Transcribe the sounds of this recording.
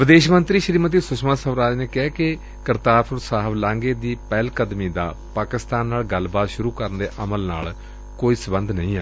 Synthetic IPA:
ʋɪd̪eːʃmənt̪ɾiːʃɾiːmət̪̬iːsʊʃmaːsəʋɾaːd͡ʒneːkɛɛkɪ | kəɾt̪aːɾpʰʊɾsaːɦəblãːŋɡeːd̪iːpɛːlkəd̪miːd̪a̰ː | paːkɪst̪aːnːaːlɡəlbaːt̪ʃʊɾuːkəɾənd̪eːʔəməlna̰ːl | koːiːsəbənd̪nəĩːɛː

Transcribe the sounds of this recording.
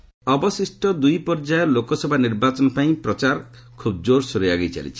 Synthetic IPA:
ɔbɔsisʈɔd̪ujpɔɾd͡ʒajɔlokɔsɔbʱaniɾbat͡ʃɔnɔpaĩpɾɔt͡ʃaɾ | kʰubd͡ʒoɾsoɾijaɡejt͡ʃa̰lḭt͡ʃʰi̥

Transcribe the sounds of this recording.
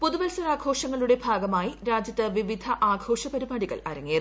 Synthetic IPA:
poðuʋɐlsɐɾaːɡʱo̞ːʂɐŋːɐɭuɽe̞bʱaːɡɐmaːjiɾaːd͡ʑjɐt̪ːɐʋiʋid̪ʱɐʔaːɡʱʰo̞ːʂɐbɐɾibaːɽiɣɐ̰ɭɐ̰ɾɐŋːijɐð

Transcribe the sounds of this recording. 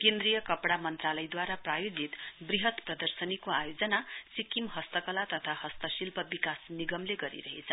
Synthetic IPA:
kend̪ɾijʌkʌpɽamʌnt̪ralʌjd̪waɾaprajod͡zit̪briɦʌt̪prʌd̪ʌrsʌnikoajod͡zʌnasikimɦʌst̪ʌkʌlat̪ʌt̪ʰahʌst̪ʌsilpʌbikasniɡʌmleɡʌɾḭɾʌɦḛt͡sʰʌ

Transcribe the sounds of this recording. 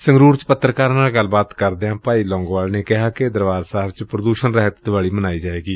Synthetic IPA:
səŋɡɾuːɾt͡ʃpət̪ːɾəkaːɾːnaːlɡəlːbaːt̪kəɾd̪eːãːpaːiːlɔ̃ːŋɡʋaːlneːkɪɦaːked̪əɾʋaːzsaːɾt͡ʃpɾəd̪uːʃənɾɛɦət̪d̪ʊʋaːɭiːmənaːiːd͡ʒaːʋeːɡiː

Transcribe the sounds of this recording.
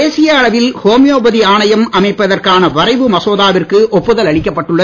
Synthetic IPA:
eːsɪjaɐɻɐʋɪlhoːmɪjoːbɐðiaːnɐjɐmɐmɐɪpːɐðɐrkaːnɐʋɐrɐɪʋɯmɐsoːðaːʋɪrkɯʔɔpːɯðɐlɐɭɪkʲːɐpːɐʈːɯɭːɐ

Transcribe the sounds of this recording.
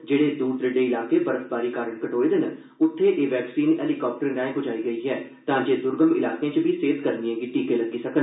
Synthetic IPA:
d͡ʒeːɽeːd̪uːɾd̪ɾɪɖeːɪlaːkeːpəɾəsbaːɾiːkaːɾəɳkəʈoːeːd̪ɪn | ʊt̪ʰːeːʔeːʋɛːksiːnɛ̰ːlikɔːp̚ʈəɾnɛ̃ːẽkʊd͡ʒaːiːɡəiːɦɛːt̪ãːd͡ʒeːd̪ʊɾɡəmɪ̰laːkeãːt͡ʃbʱiːseːt̪kəɾnijẽːɡiːʈiːkeːləɡiːsəkən

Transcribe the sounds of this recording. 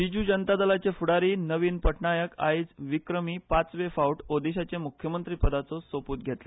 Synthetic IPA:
id͡ʑuːd͡ʑənt̪ad̪əlat͡ɕefuɽaɾiːnəʋiːnpəʈɳajəka̰id͡zʋikɾəmiːpat͡sʋefauʈod̪iɕat͡ɕemukʰjəmənt̪ɾiːpəd̪at͡sɔsopuːt̪ɡʱet̪le

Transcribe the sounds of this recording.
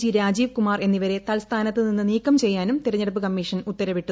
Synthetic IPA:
d͡ʑiɾaːd͡ʑiːʋkumaːrʔe̞nːiʋɐɾe̞t̪ɐlst̪ʰaːnɐt̪ːɨninːɨniːkːɐmt͡ɕe̞jːaːnumt̪iɾɐɲːɐɽɐp̬ːɨkɐmːiːʂɐnut̪ːɐɾɐʋiʈːu

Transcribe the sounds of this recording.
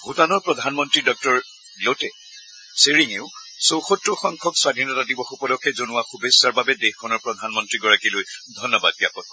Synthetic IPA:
hutanɔɹpɹɔdʱanmɔntɹidɔk̚tɔɹ | lotɛ | seɹiŋeʊsowxotɹɔxɔŋkʰɔkswadʱinɔtadibɔxupɔlɔkʰːɛzonʊwaxubesːaɹbabɛdexkʰɔnɔɹpɹɔdʱanmɔntɹiɡɔɹakilojdʱɔnːɔbad̚bijapɔt̚

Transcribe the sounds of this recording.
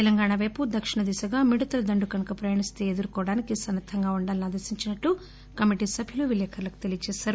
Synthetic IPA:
t̪ɛlɐŋɡaːɳaʋɐjpud̪ɐkʂiɳɐd̪isɐɡaːmiɽut̪ɐlɐd̪ɐɳɖukɐnɐkɐpɾɐjaːɳist̪e̞ed̪uɾukɔːɽaːnikisɐnːɐt̪ʰːɐŋɡaːuɳɖaːlinaːd̪ɐɾsiɲt͡ʃinɐʈːu | kɐmiʈiːsɐbʱjuluʋilɛːkʰɐɾlɐku̥t̪elijɐt͡ʃɛːʃaːɾu

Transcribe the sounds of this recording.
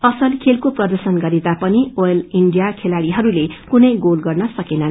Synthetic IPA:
ʌsʌlkʰelkoprʌd̪ʌrsʌnɡʌɾed̪apʌnioeliɳɖijakʰelaɽiɦʌɾulekunʌjɡolɡʌrnʌsʌkenʌn

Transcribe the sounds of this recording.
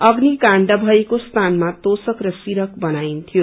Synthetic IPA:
ʌɡnikãɳɖʌbʱʌekost̪ʰanmat̪osʌkrʌsiɾʌkbʌnaint̪ʰijo

